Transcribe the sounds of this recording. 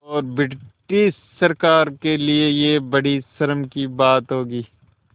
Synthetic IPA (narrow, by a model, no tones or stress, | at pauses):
ɔːɾbɪʈisːɐɾkaːɾkeliejebɐɽisɐɾəmkibaːt̪ɦoːɡiː